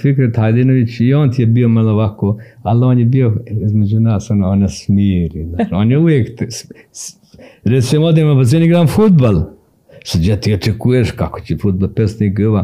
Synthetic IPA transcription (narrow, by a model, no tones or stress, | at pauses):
fikɾet̪hajd̪inoʋit͡ʃioːnt̪ijebiomaloʋakoːaloːnjebioizmed͡ʒunaːsonoːnjesmiːɾinaoːnjeuʋjeːkt̪s | ɾesimod̪emapɐz̬eniɡɾaːnfud̪̚bal | sad̪jat̪ioʈ͡ʂɛkujeʃkako̥t͡ʃefud̪̚balpʲesniɡɨʋa